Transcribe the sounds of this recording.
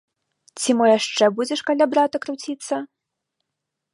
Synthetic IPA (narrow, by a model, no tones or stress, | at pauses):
t͡sʲimɨjaʂt͡ʂɛbud͡zʲɛʂkalʲabɾat̪ɐkɾuwt͡sʲit̪sːɐ